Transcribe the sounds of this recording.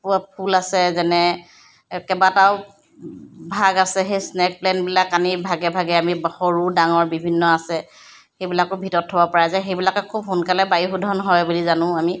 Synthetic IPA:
papʰulasɛzɛnɛ | kɛbataʊ | bʱaɡasɛxejsnɛk̚plɛnbilakːanibʱaɡɛbʱaɡɛamixoɹudaŋɔɹbibʱinːɔasɛ | xejbilakʊbʱitɔtʰːɔbɔpɔɹazaxejbilakɛkʰubɦunkalɛbajixudʱɔnɦɔjbulizanʊ̃ami

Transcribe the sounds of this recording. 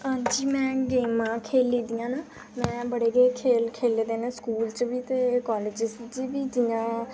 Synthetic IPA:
ãːd͡ʒiːmɛ̃ːɡeːmãːkʰeːliːd̪ijãːnaː | mɛ̃ːbəɽeːɡeːkʰeːlkʰeːleːd̪eːnẽːskuːlt͡ʃbiːt̪eːkɔːleːd͡ʒɪst̪d͡ʒibiːd͡ʒɪjãː

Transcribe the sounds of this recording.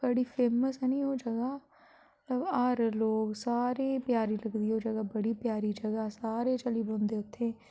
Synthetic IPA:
b̥əɽiːpʰeːməsɛnĩːɦoːd͡ʒəɡaː | ət̪ləbəɾloːɡsaːɾeːpjaːɾiːləɡd̪iːɦoːd͡ʒəɡaːbəɽiːpjaːɾiːd͡ʒəɡaːsaːɾeːt͡ʃəliːbõːnd̪eːʊt̪ʰːeː

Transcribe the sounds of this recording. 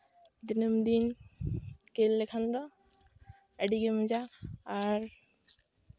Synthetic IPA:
d̪inəmd̪in | kelːekʰand̪ɔ | əɖiɡemũd͡ʒaː | ɾ

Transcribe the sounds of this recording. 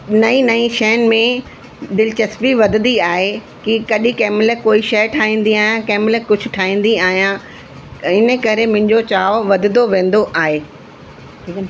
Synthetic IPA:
nɐĩnɐĩʃɛːnmẽ | d̪ɪlɪt͡ɕɐspiʋɐd̪ʱɪd̪iaːɦe | kikɐɗikɛːmləkoːiʃɐjʈʰaːɦĩːnd̪iaːɦijãkɛːmləkʊd͡ʑʱʰʊ̆ʈʰaːɦĩːn̆d̪iaːɦijã | ɪnə̆kɐɾemʊ̃ɦɪ̃ɲd͡ʑot͡ɕaːoʋɐd̪ɪd̪oʋẽːn̆d̪oʔaːɦeː | ʈʰik

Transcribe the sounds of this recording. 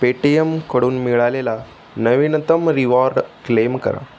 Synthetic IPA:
peʈijemkəɽuːnmiɭalela | nɐʋinət̪əmɾiʋaɾɖklemkə̰ɾa̰

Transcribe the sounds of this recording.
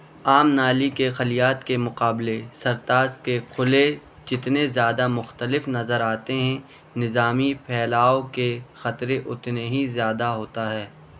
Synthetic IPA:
aːmnaːlikexɐlijaːt̪kemʊqaːblesɐɾt̪aːskekʰʊle | d͡ʒɪt̪nezjaːd̪amʊxt̪əlɪfnɐzəɾaːt̪eɦɛ̃ | nɪzaːmipʰɛːlaːokexɐt̪ɾeʔʊt̪neɦizjaːd̪aɦoːt̪aɦɛː

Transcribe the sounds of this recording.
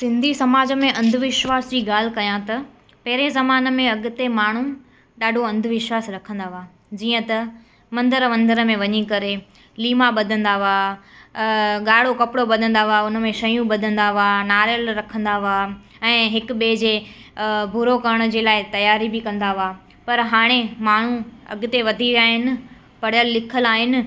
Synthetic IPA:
sɪ̃nd̪ʱisɐmaːd͡ʑə̆mẽʔɐ̃nd̪ʱʊʋɪʃʋaːsd͡ʑiːɡaːl̤ɪkɐjãt̪ɐ | pɐɦɪɾezɐmaːnə̆mẽɐɡʊ̆t̪emaːɳ̤u | ɗaːɖʱoɐ̃nd̪ʱʋɪʃʋaːsɾɐkʰə̃nd̪aʋaː | d͡ʑiːə̃t̪ɐ | mɐ̃nd̪əɾʋɐ̃nd̪əɾəmẽʋɐɲikɐɾe | liːmaɓɐd̪ʱə̃nd̪aʋaː | ɠaːɽokɐpɽobɐd̪ʱə̃nd̪aʋaʊnə̆mẽʃɐjũɓɐd̪ʱə̃nd̪aʋanaːɾjəlɾɐkʰə̃nd̪aʋa | ɛ̃ːɦɪkɓeːd͡ʑeː | bʱuɾokɐɾəɽ̃̆d͡ʑeːlaːɪt̪ɐjaːɾibɪkɐ̃nd̪aʋa | pɐɾɦaːɽ̃emaːɳ̤ũɐ̰ɡʊt̪eʋɐd̪ʱiaːɦɪnɪ̆ | pɐɽ̤jəlːɪkʰəlaːɦɪnɪ̆

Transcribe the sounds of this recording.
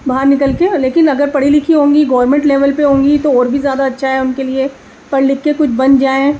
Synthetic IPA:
bɐɦəɾnɪkəlkeleːkɪnɐɡəɾpɐɽilɪkʰiɦõːŋɡiɡɔːɾmɛ̃ɳʈlɛːʋəlpeɦõːŋɡit̪oɔːɾbʱizjaːd̪aɐtːʃʰaɦɛʊnkelie | pɐɽlɪkːekʊt͡ʃʰbɐnd͡ʒaːẽ

